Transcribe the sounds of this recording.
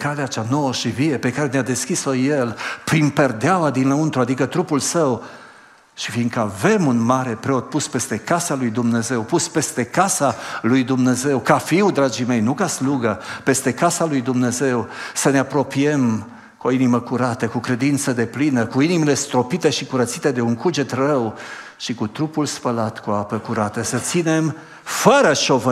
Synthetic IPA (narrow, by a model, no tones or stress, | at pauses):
kaleat͡ʃano̞wəʃiviepe̞kaɾe̞nead̪e̞skʲisoje̞lpɾinpe̞rd̪eawad̪inləunt̪ɾuad̪ikət̪ɾupulsəw | ʃifind̪kəave̞munmaɾe̞pɾe̞o̞t̪̚puspe̞st̪e̞kasalujd̪umne̞ze̞wpuspe̞st̪e̞kasalujd̪umne̞ze̞wkafiwd̪ɾad͡ʒime̞jnukasluɡəpe̞st̪e̞kasalujd̪umne̞ze̞wsəne̞apɾo̞pie̞m | kuoiniməkuɾat̪əkukɾe̞d̪int̪səd̪e̞plinəkuinimile̞st̪ɾo̞pit̪e̞ʃikuɾət̪sit̪e̞d̪e̞uŋkud͡ʒe̞t̪rəw | ʃikut̪ɾupulspəlat̪kuoapəkuɾat̪əsət̪sine̞m | fəɾəʃo̞və